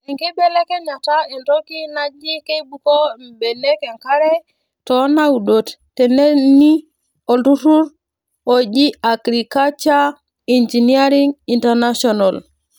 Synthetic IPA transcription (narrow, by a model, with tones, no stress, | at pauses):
ɛ˨ŋki˦bɛ˦lɛ˦kɛ˦ɲa˨ta˦i˨nɾɔ˦ki˦na˦d͡ʒi˦ke˦bu˨ko˦m̩˨bɛ˨le˦kɛ˨ŋka˦ɾɛ˦ | tɔ˨˦na˦u˨do˨ttːɛ˨ne˦ni˦ | o˨ndu˦tu˦ɾ | o˨d͡ʒi˦a˨kɾi˨ka˦t͡ʃa˦ | i˨nd͡ʒi˨ni˦a˦ɾi˦ŋi˨ntɛ˨ɾna˦sɔ˨na˨l